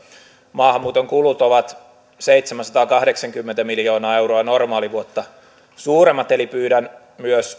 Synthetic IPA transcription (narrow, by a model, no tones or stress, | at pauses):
mɑːhɑmːuːt̪oŋkulut̪oʋɑt̪ | seit̪semænsɑt̪ɑːkɑhɾeksɑŋkymːent̪æmiljoːnɑːewroɑnormɑːliʋuot̪ːɑ | suːɾemːɑt̪elipyːdæn | myøs